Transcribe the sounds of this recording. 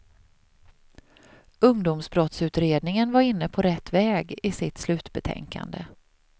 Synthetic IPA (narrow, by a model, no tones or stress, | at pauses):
ɵŋd̪ʊmsbɾɔt̪sʉ̟ːt̪ɾeːd̪nɪŋənvaɾɪnːəpʰɔɾɛt̪ːvɛːɡɪsɪt̪slʉ̟ːt̪bɛt̪ʰɛ̰ŋka̰nd̪ə